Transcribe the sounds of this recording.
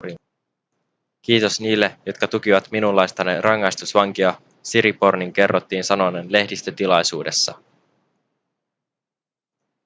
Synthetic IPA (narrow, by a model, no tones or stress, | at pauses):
k̟iːt̪o̞sniːlːe̞jo̞t̪kɑt̪uk̟iʋɑt̪minulːɑjst̪ɑnerɑŋːɑjst̪usʋɑŋk̟iɑ | siɾipo̞rniŋke̞rːot̪ːiːnsɑno̞nenle̞hdist̪øt̪ilɑjsuːde̞sːɑ̰